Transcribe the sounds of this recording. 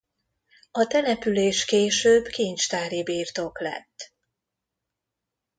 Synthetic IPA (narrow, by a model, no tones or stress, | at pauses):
ɒt̪ɛnɛpyleːʃkeːʃøːbkiɲt͡ʃt̪aːɾibiːrt̪o̞klɛ̰t̪ː